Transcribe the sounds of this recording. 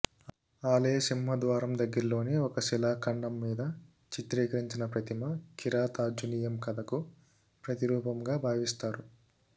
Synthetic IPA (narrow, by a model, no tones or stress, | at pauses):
aːlɐjɐsimɦɐd̪ʋaːɾɐmd̪ɐɡːɐɾɐlo̞ːneːɔkɐsilaːkɐɳːɐmːiːd̪ɐ | t͡ʃit̪ɾiːkɐɾiɲt͡ʃinɐpɾɐt̪imɐkiɾaːt̪aːd͡ʒunijɐmkɐd̪ɐku | pɾɐt̪iɾuːpɐmɡaːbʱaːʋist̪aːɾu